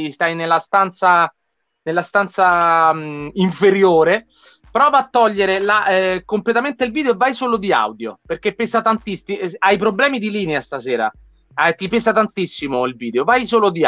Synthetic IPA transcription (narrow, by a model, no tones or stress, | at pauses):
ist̪ajnelːast̪ant̪sa | nelːast̪ant̪sa | iɱfeɾjoːɾe | pɾɔːvaːt̪ːɔʎːeɾelaɛkomplet̪ament̪eilviːd̪eoevːajsoːlod̪ia̰wd̪jo̰perk̟epːɛsat̪ant̪ist̪iajpɾoblɛːmid̪iliːneast̪asɛːɾa̰ | t̪ːipɛːsat̪ant̪isːimoilviːd̪eovajsoːlod̪i